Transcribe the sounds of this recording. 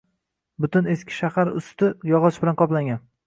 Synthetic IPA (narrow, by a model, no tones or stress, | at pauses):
bʊt̪ʊneskʲʰɪ̥ʃahaɾʊ̰st̪ɪjɒʁɒʃbɪlanqʰɒplaŋɡʲan